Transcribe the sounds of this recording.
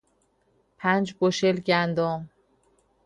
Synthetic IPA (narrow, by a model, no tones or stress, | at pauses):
pʰænd͡ʒboʃelɟænd̪ɔm